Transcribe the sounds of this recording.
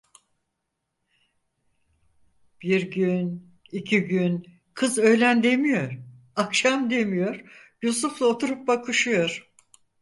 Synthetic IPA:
b̥iɾɟyn | icʰiɟyn | kʰɯzø̞jlʲænd̪e̞mijo̞ɾ | akʃamd̪e̞mijo̞ɾjusuflˠaot̪ʰuɾup̚bakʰɯʃɯjo̞ɾ̥

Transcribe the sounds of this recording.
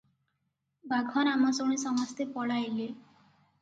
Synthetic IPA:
baɡʱɔnamɔsoɽ̃isɔmɔst̪epɔɽajele

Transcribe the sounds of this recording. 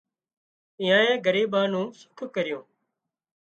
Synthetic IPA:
ɪːjãːẽːɡəɾiːbãːnũːsʊ̥kʰkəɾɪjõː

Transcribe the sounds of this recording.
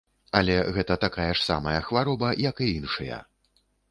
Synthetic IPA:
ɐlʲɛɣɛt̪ɐt̪akajɐʂsa̰mɐjɐxvaɾɔbɐjɐkɨinʂɐjɐ̰

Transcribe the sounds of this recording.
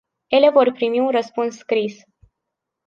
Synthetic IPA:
je̞le̞vo̞rpɾimiunrəspunsːkɾis

